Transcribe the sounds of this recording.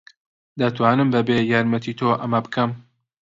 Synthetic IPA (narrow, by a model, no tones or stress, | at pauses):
d̪ɐt̪ʰwaːnɨmbɐbeːjaːɾmɐt̪ʰit̪ʰoʔɐmɐbɨkʰɐm